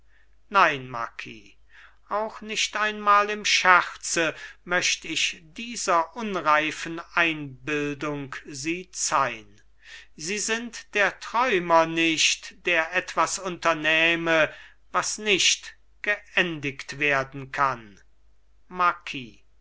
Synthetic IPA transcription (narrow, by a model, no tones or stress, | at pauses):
naɪnma̰kʰḭː | ʔaʊxnɪʃtaɪnmaːlɪmʃæχt͡səmœʃtəɪʃd̥iːzɐʔʊnʁaɪfənʔaɪnbɪldʊŋkziːt͡saɪn | ziːzɪntd̥eːɐtʁ̥ɔʏmɐnɪʃtd̥eːɐʔɛtv̥asʊntɐnɛːmə | vasnɪʃt | ɡ̥əɛndɪktv̥eːɐdn̩kʰan | makʰiː